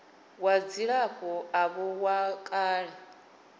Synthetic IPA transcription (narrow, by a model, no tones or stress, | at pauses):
wad͡ziɺakʼɔaβɔwakʼaːɺɛ